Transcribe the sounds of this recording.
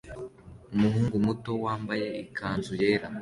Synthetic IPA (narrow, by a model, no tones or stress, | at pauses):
umuɦuːŋɡumuto̞waːmbaje̞ikʰaːnzuje̞ːɾa